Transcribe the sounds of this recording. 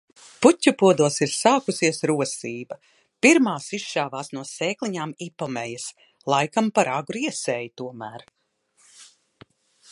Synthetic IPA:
putʲːupuɔd̪uɔsiɾsaːkusiɛsɾuɔsiːbɐ | piɾmaːsiʃʃaːvaːsnuɔseːklˠiɲaːmipɔmɛjɐs | lˠajkampaɾaɡuɾiɛsɛːjt̪uɔmæːɾ

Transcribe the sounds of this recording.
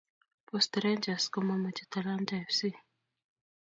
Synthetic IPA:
pɔstɾɛnd͡ʒaskɔmamat͡ʃɛt̪alandaɛfsi

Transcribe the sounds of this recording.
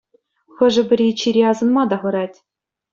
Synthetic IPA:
xɤ̆ʐɘ̆bʲɘ̆ɾʲit͡ɕiɾʲeɑzɤ̆nmɑd̪ɑʁɤ̆ɾɑtʲ

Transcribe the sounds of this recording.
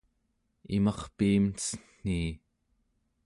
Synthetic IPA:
ḭmɑχpiːmt͡sə̥n̥iː

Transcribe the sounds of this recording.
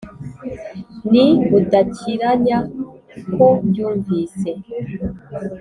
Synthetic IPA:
niudacʰiɾaɲa | kobɟuːɱviːse

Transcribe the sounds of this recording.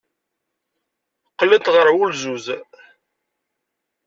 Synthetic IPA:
qːəlːət̪ʁəɾwulzuz

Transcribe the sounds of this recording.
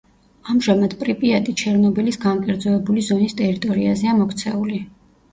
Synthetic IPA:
amʒamad̪̥pʼɾipʼiat̪ʼit͡ʃʰɛɾnɔbilisɡaŋkʼɛɾd̪zɔɛbulizɔnist̪ʼɛɾit̪ʼɔɾiazɛamɔkʰt̪sʰɛuli

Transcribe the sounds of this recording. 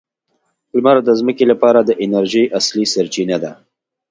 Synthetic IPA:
lmɑɾad̪əzməkelapɑɾad̪əʔɪnaɾʒijʔaslisaɾt͡ʃinad̪a

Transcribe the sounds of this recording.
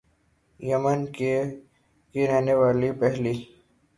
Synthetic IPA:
jɐmənke | kiɾɛɦneʋaːlipɛɦli

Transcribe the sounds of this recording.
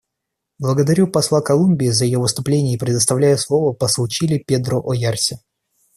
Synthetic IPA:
blˠəɡəd̪ɐɾʲupɐslˠakɐlˠumʲbʲɪːzəjɪjovɨst̪ʊplʲenʲɪjəpɾʲɪd̪əst̪ɐvlʲæjʊslˠovəpəslˠt͡ɕilʲɪpʲe̞d̪ɾʊʔojarsʲɪ

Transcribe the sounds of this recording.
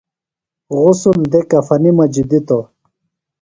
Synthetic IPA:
ɣʊsund̪ekɐfɐnimɐd͡ʑid̪it̪o

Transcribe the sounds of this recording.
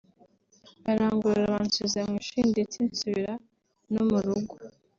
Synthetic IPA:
aɾaːŋɡuɾeɾaβaːnsizamŋiːʃiːnditiːnsuβiɾa | nomuɾuɡu

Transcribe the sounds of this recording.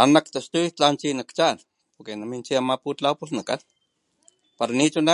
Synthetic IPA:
anakt̪ast̪ut͡ɬant͡ʃinakt͡ʃan | poɾkenamint͡ʃiamaput͡ɬawpusnaka̰n | paɾanit͡ʃuna

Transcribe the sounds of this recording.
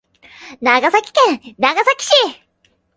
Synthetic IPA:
naɡasakʲi̥kẽɴnaɡasakʲi̥ɕi

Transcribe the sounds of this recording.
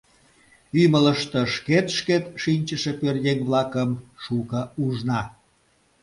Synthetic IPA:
ymələʃt̪ə̆ʃket̪ʃket̪ʃinʲt͡ɕəʃepørjeŋβlɑkəmʃukəuʒnɑ

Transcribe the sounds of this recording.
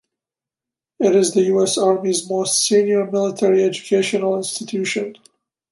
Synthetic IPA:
ɪɾɨzðəjuɛsɑɹmizmoʊstsĩnjə˞mɪlˠətʰɛɹiɛd͡ʒɨkʰeɪʃənl̩ˠɪ̃nstɨtʰʉʃɨ̃n

